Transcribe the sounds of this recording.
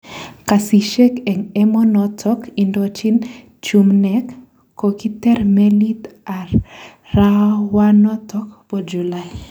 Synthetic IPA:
kasiʃekɛŋɛmɔnɔtʰɔkindot͡ʃin | t͡ʃumnɛkː | okit̪ɛrmɛlit̪aɾː | awanɔtʰɔkpɔd͡ʒulaj

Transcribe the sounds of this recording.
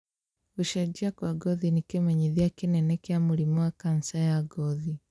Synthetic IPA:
uʃad͡ʒiakwaɡɔðinikemɛɲiðjakinɛnɛkjamuɾimɔwakansajaɡɔði

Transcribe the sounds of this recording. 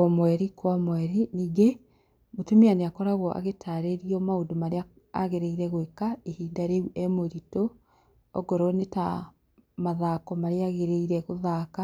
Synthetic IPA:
ɔmwɛɾikwamwɛɾiniːɡe | motumianeakɔɾaɣɔʔa̰ɣetʰaɾeɾiɔmaodomaɾea | a̰ɣeɾeiɾɛɣwekaehiːdaɾeuʔɛmoɾito | ɔɡɔɾɔneta | maðaːkɔmaɾeaɣeɾeiɾɛɣoðaka

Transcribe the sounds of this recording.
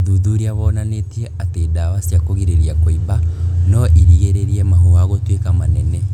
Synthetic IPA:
ðuðuɾiaβɔnanetiɛatedawasjakoɣiɾeɾiakoibanɔʔiɾiɣeɾeɾiɛmahuaɣotwekamanɛnɛ

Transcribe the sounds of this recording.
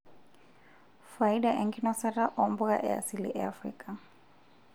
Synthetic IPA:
faiɗaʔɛŋɡinɔsaɾaʔɔmbuɣa̰ʔɛ̰a̰silḭʔɛafɾḭkʼa

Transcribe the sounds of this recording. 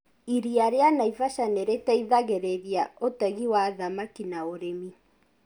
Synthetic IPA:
iɾiaɾeanaivaʃaneɾetɛiðaɣeɾeɾiaotɛɣiwaðamakinaoɾemi

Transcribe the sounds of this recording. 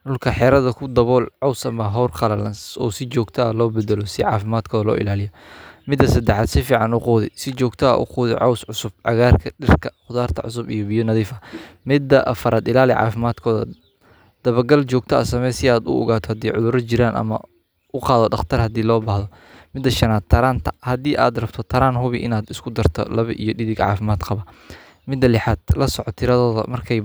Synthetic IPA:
ɖʊlkʰɐħɛːɾɐðɐkʰʊd̪ɐβɔːlʕɔwsɐmɐɦɔwrqɑlɐlɐnsɔ̰ːsɪt͡ʃɔːɡ̚t̪ʰɐlɔːbɛd̪ɛlɔsɪʕɑːfɪmaːd̪kʰɔːðɐlɔ̰ːʔɪ̰laːlɪjɔmɪd̪ːɐsɐd̪ɛħaːd̪sɪfiːʕɑnʊquːðɪ̰sɪt͡ʃɔːɡt̪ʰɐɐ̰ʔʊ̰quːðɪ̰ʕɔwsʕʊsʊb̥ʕɑ̰ɣaːrkʰɐɖɪrkʰɐχʊðaːrt̪ʰɐ̰ʕʊ̰s̬ʊbḭjɔbɪjɔnɐðiːfɐmɪd̪ɐʔɐfɐɾaːd̪ɪlaːlɪʕɑ̰ːfɪmaːd̪kʰɔːðɐ̰ | d̪̥ɐβɐɡɐlt͡ʃɔːɡ̚t̪ʰɐɐ̰sɐmɛsɪaːd̪ʊ̰ɔ̰ɣaːt̪ʰɔhɐd̪iːʕʊðʊɾɐt͡ʃɪɾaːnʔɐ̰mɐ | ʔʊqɑːðɔɖɑχt̪ʰɐrhɐd̪iːlɔːbaːhðɔ | mɪd̪ːɐʃɐnaːd̪̚t̪ʰɐɾaːnt̪ʰɐhɐd̪iːʔa̰ːd̪rɐbt̪ʰɔt̪ʰɐɾaːnɦʊβɪʔɪnaːd̪ɪskʰʊd̪ɐrt̪ʰɔ̰lɐβɐ̰ʔijɔɖɪðɪɡʕɑ̰ːfɪmaːd̪qɑβɐ | mɪd̪ːɐlɪħaːd̪̥lɐsɔʕɔt̪ʰɪɾɐðɔːðɐ̰mɐrkʰɛj

